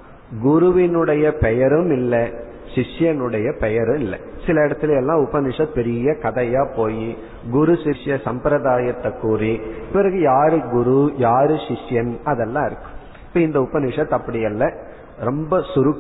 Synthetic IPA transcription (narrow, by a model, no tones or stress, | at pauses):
ɡʊɾʊʋɪnɯɽɐjɐpɛjɐɾɯmɪlːɐ | ʂɪʂjɐnɯɽɐjɐpɛjɐɾɯɪlːɐ̰ | sɪlɐɪɽɐt̪ːɪleɛlːãːʊpːɐnɪʂɐt̪̚pɛɾɪjɐkɐðɐjaːpoːji | ɡʊɾʊsɪʂjɐsɐmpɾɐðaːjɐt̪ːɐkːuːripɪɾɐɣɯjaːɾɯɡʊɾujaːɾɯʃɪʂjɐnɐðɛlːãːɪɾɯkːɯ̥m | ɪpːɐɪnd̪ɐʊpːɐnɪʂɐt̪ːɐpːɐɽɪjɐlːɐ | ɾɔmbɐsʊɾʊkː